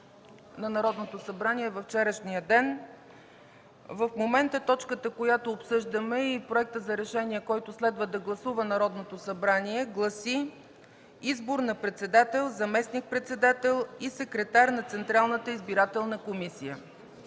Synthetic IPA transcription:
nɐnɐɾɔd̪not̪osɐbɾaniɛvɐft͡ʃɛɾəʃnijəd̪ɛn | vəfmomɛnt̪ət̪ɔt͡ʃkət̪əkojat̪oːpsɤʒd̪əmɛipɾoɛk̚t̪əzɐɾɛʃɛniɛkɔjt̪ʊslɛd̪vəd̪ɐɡlˠɐsuvənɐɾɔd̪not̪osɐbɾaniɛɡlˠɐsi | izboɾnɐpɾɛt̪sɛd̪at̪ɛlˠzɐmɛsnik̚pɾɛt̪sɛd̪at̪ɛlˠisɛkɾɛt̪aɾnɐt̪sɛnt̪ɾalˠnət̪əizbiɾat̪ɛlˠnɐkomisijə

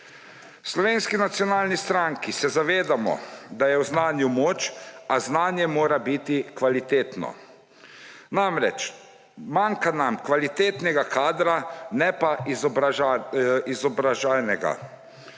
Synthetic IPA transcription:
slɔʋeːnskinat̪sijɔnaːlnist̪ɾaŋkisɛzaʋeːd̪amɔ̰d̪ajɛwznaːnjumoːt͡ʃaznaːnjɛmoːɾabit̪ikʋalit̪eːt̪nɔ̰ | namɾɛ̰t͡ʃ | maŋkanamkʋalit̪eːt̪nɛɡakʰaːd̪ɾanɛpa | izɔbɾaʒaːjnɛɡa̰

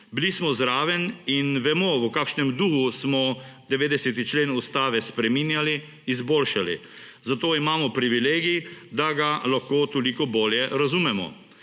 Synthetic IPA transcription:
bilismɔzɾaːʋɛninʋɛmɔʋəkaːkʃnɛmd̪uːɣusmɔd̪ɛʋeːd̪ɛsɛt̪it͡ʃleːnust̪aːʋɛspɾɛminjaliː | zboːlʃalḭ | zat̪oːimaːmɔpɾiʋileːɡid̪aɡalaxkoːt̪olikɔboːljɛɾazumɛmɔ̰

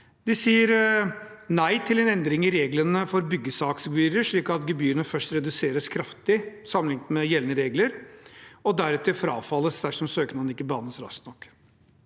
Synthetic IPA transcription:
d̪̥ɪsiːəɾ | næɪt̪ʰɪlɛnɛnd̪ɾɪŋɪɾeːɡlənəfɔɾbʏɡːəsɑːksɡəbyːɾəʂɭiːkɑt̪ɡəbyːɾəɳəfœʂʈɾɛd̪ʉseːɾəskʰɾɑft̪ɪsɑmənɪŋt̪mɛjɛlənəɾeːɡləɾ | ɔd̪æɾʉt̪əfɾɑ̰ːfɑlːəsd̪æʂɔmsøːkənəɑnɪkːəbəhɑnːəsɾɑ̰st̪nɔkː

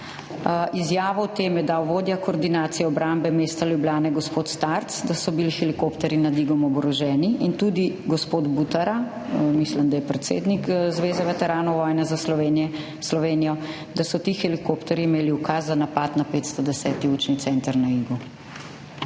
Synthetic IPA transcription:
izjaːʋɔwt̪eːmjɛd̪awʋoːd̪jakɔːɾd̪inaːt̪sijɛɔbɾambɛmeːst̪aljubjaːnɛɡɔspoːt̪st̪aɾt̪sd̪asɔbilixɛlikopt̪ɛɾinad̪iɡɔmɔbɾɔʒɛːniint̪ud̪iɡɔspoːd̪but̪aɾa | mislimd̪ajɛpɾɛt̪sḛːd̪nikzʋeːzɛʋɛt̪ɛɾaːnɔʋɔːjnɛzalɔenɛ | slɔʋeːnijɔ | d̪asɔt̪ixɛlikopt̪ɛɾiːmeːliukazzːanapat̪napeːt̪st̪ɔd̪ɛsɛːt̪iuːt͡ʃnit̪sɛnt̪aɾnaiɡu

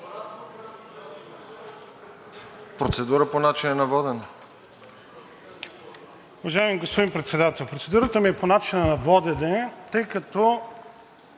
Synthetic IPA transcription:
pɾot̪sɛd̪uɾəponat͡ʃinɛnɐvɔd̪ɛnɛ | uvɐʒaɛmiɡospod̪impɾɛt̪sɛd̪at̪ɛlˠpɾot̪sɛd̪uɾət̪əmiɛponat͡ʃinənɐvɔd̪ɛnɛt̪əjkɐt̪ɔ

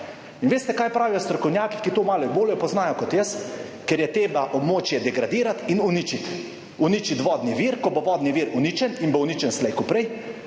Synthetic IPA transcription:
inʋeːst̪ɛkaːjpɾaːʋijɔst̪ɾɔkɔwnjaːkikit̪oːmaːlɔiboːljɔpɔznaːjɔkɔt̪jəskɛɾjɛt̪ɾeːbaʔɔbmoːt͡ʃjɛd̪ɛɡɾad̪iːɾat̪inunit͡ʃit̪ | unit͡ʃit̪ʋɔːd̪niʋiːɾkɔboʋɔːd̪niʋiːɾuniːt͡ʃɛninbouniːt͡ʃɛnslɛjkupɾɛj

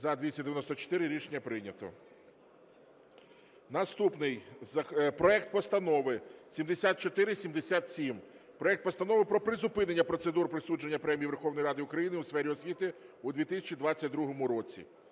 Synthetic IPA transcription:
zɐd̪ʲʋʲisʲɐd̪eʋʲɐnɔst̪ɔt͡ʃɔ̥t̪ɪɾɪɾʲiʃnʲːɐpɾɪnʲɐt̪ɔ̰ | nɐst̪upnɪjzɐpɾɔɛk̚t̪̚pɔst̪ɐnɔʋɪsʲimd̪esʲat̪̚t͡ʃɔt̪ɪɾɪsʲimd̪esʲat̪sʲim | pɾɔɛk̚t̪̚pɔst̪ɐnɔʋɪpɾɔpɾɪzʊpɪnenʲːɐpɾɔt̪sed̪urpɾɪsud͡ʒe̞nʲːɐpɾɛmʲijiʋerxɔwnɔjiɾɑd̪ɪʊkɾɐjinɪusfɛɾʲiɔsʲʋʲit̪ɪud̪ʲʋʲit̪ɪsʲɐt͡ʃid̪ʋɑt͡sʲːɐt̚ʲd̪ɾuɦɔmʊɾɔt͡sʲḭ

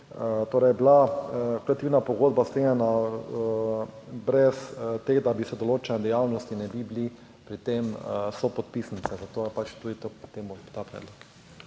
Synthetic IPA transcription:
t̪oːɾɛjblakɾɛat̪iwnapɔɡoːd̪bast̪ɾenɛna | bɾɛst̪eɡd̪abisɛd̪ɔloːt͡ʃɛnɛd̪ɛjawnɔst̪inɛbibli | pɾit̪emsɔpɔt̪̚pisnit̪sɛzat̪oːɛpat͡ʃt̪uːd̪it̪ot̪emut̪apɾɛ̰d̪lɔk

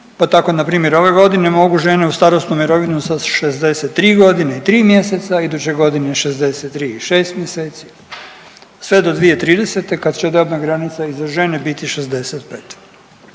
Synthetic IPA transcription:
pat̪akonapɾiːmje̞ɾo̞ʋe̞ɡo̞d̪ine̞mo̞ɡuʒe̞ne̞ust̪aɾosnumiɾo̞ʋinusaʃezd̪eset̪ːɾiːɡo̞d̪ineit̪ɾiːmje̞set̪said̪ut͡ɕe̞ɡo̞d̪ineʃezd̪eset̪ːɾiːiʃeːst̪mjeseːt̪si | sʋe̞d̪o̞d̪ʋie̞t̪ɾiːd̪e̞se̞t̪e̞kad̪t͡ɕeod̪ebnaɡɾanit̪saizaʒenebit̪iʃezd̪eset̪̚peːt̪

